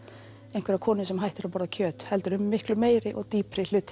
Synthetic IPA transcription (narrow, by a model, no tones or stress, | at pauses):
ẽjnŋkvɛɾakʰɔːnʏsɛmɦajht̪ɪɾapaːɾðacʰœːt̪hɛlt̪ʏɾʏmːɪhklʏmeːjɾɪʔɔɣt̪iːpɾɪl̥ʏt̪